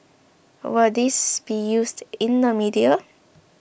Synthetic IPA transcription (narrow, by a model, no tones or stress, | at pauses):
wəd̪ɪsb̥ijuːsdɪ̃nəmidiə